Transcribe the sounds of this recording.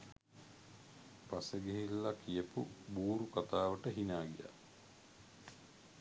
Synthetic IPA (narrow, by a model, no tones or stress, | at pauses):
paseɡeɦilːakijəpubuːɾukat̪aːʋəʈəɦinaːɡija̰